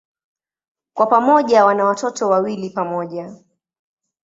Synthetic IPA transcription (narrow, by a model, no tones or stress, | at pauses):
kwapamɔʄawanawatɔtɔwawilipamɔʄa